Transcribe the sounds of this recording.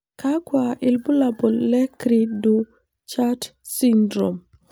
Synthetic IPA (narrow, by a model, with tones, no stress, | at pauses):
ka˦kwa˨ʔɪ˨lbu˦la˨bɔ˨lːɛ˦kɾi˨du˨ | t͡ʃa˦t | si˦ndɾo˨m